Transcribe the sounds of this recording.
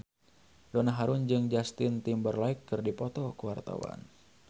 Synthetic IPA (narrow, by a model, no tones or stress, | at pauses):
dɔnaɦaɾʊnd͡ʒɨŋd͡ʒast̪ɪnt̪imbərlaɪkːɨrdipɔt̪ɔkəwart̪a̰wa̰n